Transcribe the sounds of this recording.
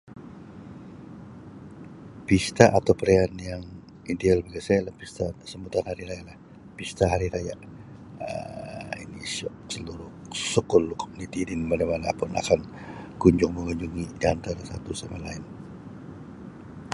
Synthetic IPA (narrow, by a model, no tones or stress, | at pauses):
pist̪aʔat̪awpəɾeanjaŋ | idealbaɡasajalapist̪asəmut̪anhaɾiɾajalah | pist̪aɦaɾiɾaja | ə̰ḭnisɔ | səluɾʊhsɔkʊlkomunit̪idinmanamanapʊna̰kan | kuɲd͡ʒʊŋməŋuɲd͡ʒuŋidiant̪aɾasat̪usamalaɪn